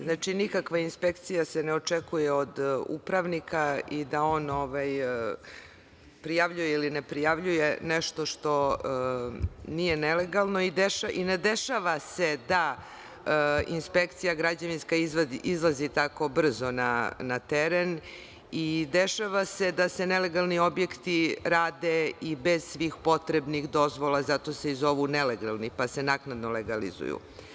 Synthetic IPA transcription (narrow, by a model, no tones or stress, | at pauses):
znaːt͡ʃinikakʋainspekt̪sijaseneot͡ʂekujeod̪ṵpɾaʋnikaid̪ao̞noʋaj | pɾijaʋʎujeiline̞pɾijaʋʎujeneʃt̪o̞ʃt̪o̞ | nijenele̞ɡalˠno̞id̪eʃaʔined̪e̞ʃaʋase̞d̪a | ḭnspekt̪sijaɡɾad͡ʑaʋinskaizizlˠazit̪ako̞br̩zo̞nanat̪eɾen | id̪eʃaʋase̞d̪asene̞le̞ɡalˠnio̞bje̞kt̪iɾaːd̪eibez̥sʋiːxpo̞t̪ɾebnixd̪o̞zʋolˠazat̪o̞seizo̞ʋuneleɡalˠnipase̞naknad̪noleɡalḭzṵjṵ